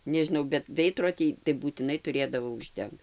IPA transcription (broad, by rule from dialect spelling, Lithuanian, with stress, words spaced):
nʲɛʒʲɪˈnɐʊ bʲɛt ˈʋʲɛɪdroːdʲiː tɐɪ buːtʲɪˈnɐɪ tʊˈrʲeːdɐʋoː ʊʒʲˈdʲɛŋkt